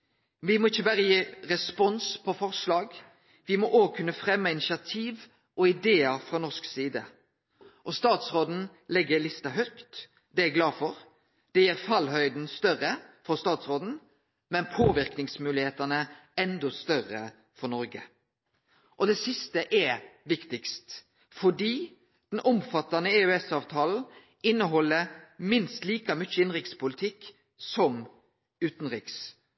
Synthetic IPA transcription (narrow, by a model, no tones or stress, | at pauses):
ʋɪmɔɪçːəbæːɾəjiːɾɛspɔnspʰɔfɔʁslɑːɡ | ʋɪmɔʔoːɡkʰʉnːəfʁɛmːəɪnɪʃɑt̪ʰiːʋ | ʔɔɪd̪eːəɾfʁɔnɔʂksiːd̪ə | ʔɔst̪ɑːt̪sʁoːd̪n̩ | lɛɡːəlɪst̪ɑɦœkt̪ | d̪ɛæɡlɑːfɔɾ | d̪̥ɛjæːɾfɑlɦœʏd̪n̩st̪œʁəfɔɾst̪ɑːt̪sʁoːd̪n̩ | mɛnpʰoːʋɪʁknɪŋsmʉːlɪheːt̪ɑnəɛnd̪ɔst̪œʁə | fɔʁnɔɾɡə | ʔɔd̪ɛsɪst̪əʔɛʋɪkt̪ɪkst̪ | fɔɖiː | d̪̥ɛnʔɔmfɑt̪ɑnəeʉɛsɑːʋt̪ʰɑːln̩ | ɪnːəɦɔlːəɾmɪnst̪liːkɑmʏt͡ʃːəɪnʁɪkspʊlɪt̪ʰɪkː | sɔm | ʉːt̪n̩ʁɪːks